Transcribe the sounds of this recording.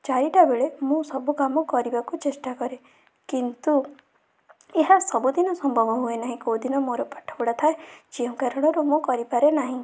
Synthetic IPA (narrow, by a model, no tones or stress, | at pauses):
t͡ʃaɾiʈabeɭemũsɔbukamɔkɔɾibakut͡ʃesʈakɔɾe | kint̪u | eɦasɔbud̪inɔsɔmbʱɔbɔɦuenaɦĩkod̪inɔmoɾɔpḁʈʰɔ̥bɔɽat̪ʰaed͡ʒeũkaɾɔɽ̃ɔɾumũkɔɾipaɾenaɦĩ